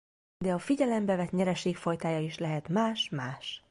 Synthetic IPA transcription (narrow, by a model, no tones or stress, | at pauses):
d̪ɛɒfiɟɛlɛmbɛvɛt̪ɲɛɾɛʃeːkfo̞jt̪aːjɒiʃlɛɦɛt̪maːʃmaːʃ